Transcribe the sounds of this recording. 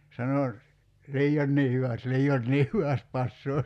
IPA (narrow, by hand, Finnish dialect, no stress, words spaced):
sɑno liːonːiː hyʋæst liːonːiː hyʋæst pɑsːoː